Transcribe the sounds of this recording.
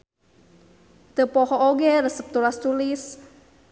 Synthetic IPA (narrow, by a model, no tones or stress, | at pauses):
t̪əpɔhɔʔoɡɛɾəsəp̚t̪ulast̪ulɪs